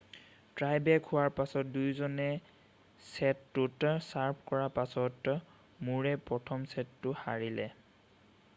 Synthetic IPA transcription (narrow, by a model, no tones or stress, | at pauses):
tɹajbɛkʰʊwaɹpasɔt̚dujzɔnɛ | sɛtːʊtsaɹpʰkɔɹapasɔt | muɹɛpɹɔtʰɔmsɛtːʊha̰ɹilɛ̰